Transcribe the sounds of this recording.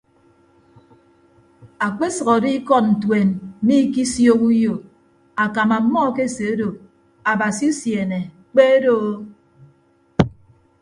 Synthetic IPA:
a˨k͡pe˦sʌ˨ɣɔ˨di˦kɔ˦tn̩˨twe˨n̩˦mi˦ki˦sjo˦ku˦jo˨ | a˨ka˨ma˨˦mːɔ˦ke˦˨se˨e˦do˨ | a˨ba˨si˨˦u˦sje˨ne˨ | k͡pe˦do˦

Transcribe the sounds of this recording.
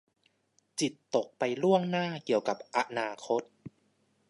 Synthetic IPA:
t͡ɕi˨˩t̪ːo˨˩k̚pa˧jlu˥˩əŋnaː˥˩ki˨˩əwka˨˩p̚ʔa˦naː˧kʰo˦˥t̪̚

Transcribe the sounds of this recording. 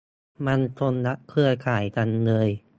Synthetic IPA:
ma˧nt͡ɕʰo˧nla˦˥kʰɯ˥˩ɐkʰaː˨˩˦jka˧nlɤː˧j

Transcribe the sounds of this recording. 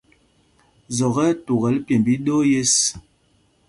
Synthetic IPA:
zɔ˨ɣɛ˦tu˨ɣɛ˨˦lpjɛ˨mbi˦ɗo˦je˦s

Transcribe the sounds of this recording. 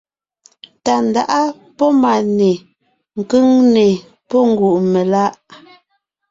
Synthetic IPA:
ta˨n˨da˨ʔa˦ | pɔ˦ma˨ne˨ | ŋ̩˨kɯ˦ŋne˨ | pɔ˦ŋ˦ɡu˨ʔme˨la˦ʔ

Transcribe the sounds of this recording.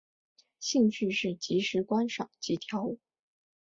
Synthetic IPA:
ɕi˥˧ŋɕʰy˥˧ʂɻ̩˥˩t͡ɕi˧˥ʂɻ̩˧˥kwa˥nʂɑ̰˨˩ŋt͡ɕi˧˥t̪ʰjɑ˧˥ʊu˨˩

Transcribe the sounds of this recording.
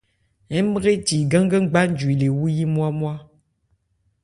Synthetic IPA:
ɛ˨˦mə˦ɣe˦ti˨ɡə˦ŋ˦ɡə˦ŋ͡mɡ͡ba˦n̩˦d͡ʒwi˨le˨wu˦ji˦mwa˦mwa˦

